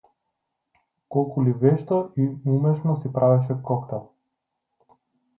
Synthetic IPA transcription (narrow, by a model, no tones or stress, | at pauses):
kɔlˠkulivɛʃt̪ɔiumɛʃnɔsipɾʔavɛʃ̬ɛkɔkt̪a